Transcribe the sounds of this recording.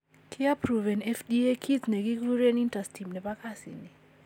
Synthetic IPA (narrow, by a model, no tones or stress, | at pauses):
kʰiapɾuvɛnɛfdiekʰitsneɡikluɾɛnintastʰimnɛpakasḭni